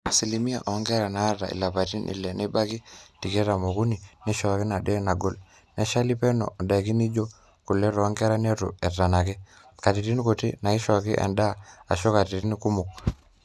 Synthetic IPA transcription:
si˨li˨mi˦a̰˨ʔo˨˦ŋɡɛ˦ɾa˨naː˨˦ta̰˨ḭ˨la˨pa˨ti˦nʔḭ˨lɛ˨ni˦ba˦ki˦ti˨kɛ˦ɾa˨mo˨ku˦ni˨ni˦ʃɔ˨a˨ki˦na˨dɛ˦na˨ɡo˦l | nɛ˦ʃa˦li˦pɛ˦no̰˨da˨ki˦ni˦d͡ʒo˦ | ku˨lːɛ˦ɾŋɡɛ˦ɾa˦ne˦tṵ˨ɛ˨tːa˨na˨ki˦ | ka˨ti˨ɾi˦n˦ko˨ti˦na˨i˦ʃɔ˨a˨kḭ˦ʔa̰˨nda˦a̰˨ʃɔ˦ka˨ti˨ɾi˦n˦ku˦mu˨k̚

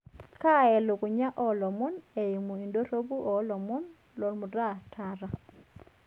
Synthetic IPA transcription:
ka˦ɛ˨lo˨ku˨ɲa˦ʔɔ˦lɔ˨mu˦ne˨i˨mu˨i˨ndo˦ɾo˦bu˦ʔɔ˨lɔ˨mu˦n | lɔ˨lmu˨ɾa˦tʰa˦ɾa˦

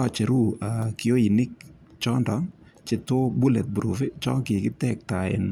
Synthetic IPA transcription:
a˨t͡ʃe˨ɾu˦a˨kɪ˨o˦i˨nɪ˦k̚ | t͡ʃɔ˦ndɔ˨˦ŋ | t͡ʃɪ˦to˦bu˦lɛ˨t̪̚buɾṵ˨fe˦t͡ʃɔ̰˦ŋkɪ˨kɪ˦tɛk̚ta˨ɛ̰˨n

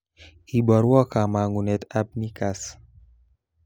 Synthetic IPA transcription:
i˨bɔ˨ɾwɔ˦ka˨ma˨ŋu˨nɛ˨t̪a˦b̚ni˦ka˨s

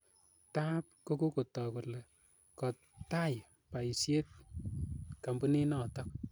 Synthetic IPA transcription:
ta˦p̚ko˦ko˦ko˨tɔ˨ku˨le˨ | kɔ˨ | ta˦j | pa˨isje˦t̚ | ka˨mbu˦ni˦nɔ˨tɔ˦k̚

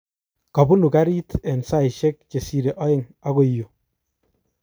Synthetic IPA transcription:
ka˨bu˦nu˨ka˦ɾi˦tɛ˨nsa˦i˨ʃe˦k̚t͡ʃe˨si˨ɾe˨ʔɔ˦ɪ˦ŋa˦ɣo˨i˨jo˨

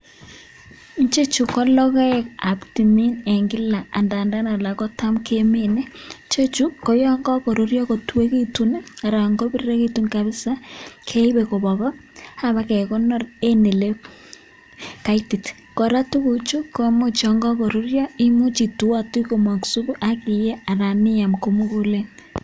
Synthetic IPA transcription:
nt͡ʃe˦t͡ʃu˨kɔ˦lɔ˦kɔ˦e˦ka˨bti˨mi˦ne˨ŋɡɪ˦la˨a˨nda˨nda˦na˨la˨kɔ˦ta˦mkʰe˦me˦˨ne˦t͡ʃe˦t͡ʃu˦ko˨jɔ˦ŋɡɔ˦ko˨ɾu˨ɾjɔ˦ko˨tu˦we˦ke˦tu˦n˦a˨ɾa˨ŋɡo˦bi˦ɾɾe˦ke˦tu˦nka˨βɪ˦sa˦kʰe˦i˦βe˨ko˨βɔ˨βɔ˦ha˦βa˦kɛ˨ko˦nɔ˦ɾe˦ne˨le˦ | ka˨i˦ti˨t | ko˨ɾa˦tu˦ku˨t͡ʃu˦ko˨˦mu˦t͡ʃɔ˨ŋɡɔ˦ko˨ɾu˦ɾjɔ˦i˦mu˦t͡ʃi˨tu˨˦a˦˨ti˦ko˨ma˨ksu˦βu˦ʔa˦ki˨je˦a˨ɾa˨ni˦a˨mko˨mu˦ku˦le˦n

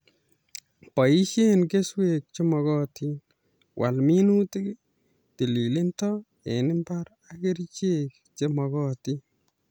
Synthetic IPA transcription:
pɔ˨i˦ʃenke˦swe˨k̚t͡ʃe˦mɔ˨ɣɔ˦ti | wʔa̰˨lmi˦nu˦t̪ɪ˦k | t̪i˨li˨lɪ˦nt̪ɔ | e˨nɪ˦mpa˦ɾ | aɡe˦ɾt͡ʃek | t͡ʃe˦mɔ˨ɣɔ˦t̪i˦

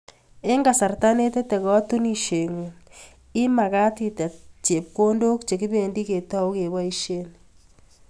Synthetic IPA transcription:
e˦ŋɡa˨sa˨rta˦ne˦te˦tɛ˨kɔ˦tu˦ni˨ʃe˨ŋu˨ | ɪ˦ma˨ka˦ti˨ta˨t͡ʃe˨p̚ko˦ndo˦kt͡ʃe˨ki˦be˨ndi˦ke˨tɔ˦wke˨ba˦i˦ʃe˦n

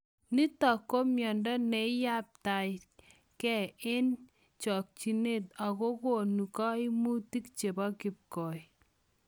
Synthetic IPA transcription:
ni˦tɔ˨ko˦mjɔ˨ndɔ˦ne˨˦ja˦p̚ta˨ | kɛ˦˨e˦n | t͡ʃɔ˨k̚t͡ʃi˨ne˦ta˨ko˦ko˨nu˨kɔ˦i˦mu˦ti˦kt͡ʃe˨bɔ˦kɪ˨p̚kɔ˨j

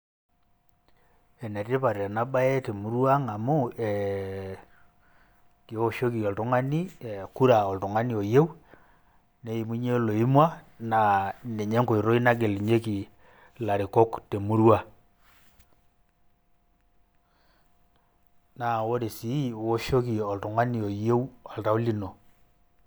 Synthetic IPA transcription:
ɛ˨ne˨re˦pa˨ɾa˨na˦ba˦e˦te˨mu˦ɾwa˦ŋa˨mo˦ɛ | ke˨˦o˦ʃo˦ki˨o˨lto˦ŋa˦ni˦e˨ku˦ɾa˨o˨lto˨ŋa˦ni˦o˨je˦u˦ | ne˦i˨mu˦ɲe˦lo˨i˦mwa˦ | na˨ne˨ɲe˦ŋko˨i˨ɾo˦i˦na˦k̬e˨li˨ɲe˦ki˨ | la˨ɾi˨ko˦kte˨mu˦ɾwa˦ | na˨wo˦ɾe˨si˨˦˨wo˦ʃo˦ki˨ɔ˨lto˨ŋa˦ni˨o˨je˦u˦a˨lta˦o˦li˦no˨

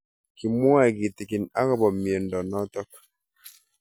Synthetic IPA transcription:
ki˨mɔ˦a˦˨ɡi˨ti˨ki˨na˦kɔ˦bɔ˨mje˨ndɔ˨nɔ˦tɔ˦k

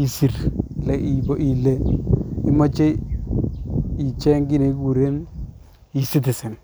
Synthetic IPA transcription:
i˨si˨ɾlɛ˨ʔi˨bo˦ʔi˨le˦i˦mɔ˦t͡ʃe˦ | i˨t͡ʃɛ˦ŋɡi˦ne˨˦ku˨ɾe˦n | i˨si˦t̬ɪ˨sɛ˨n

